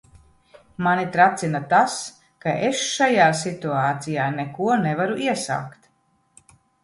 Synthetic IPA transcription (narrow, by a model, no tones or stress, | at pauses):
manit̪ɾat̪sinat̪as | kaʔesʃajaːsit̪uaːt̪sijaːnɛkuɔnɛvaɾuʔiɛsa̰ːkt̪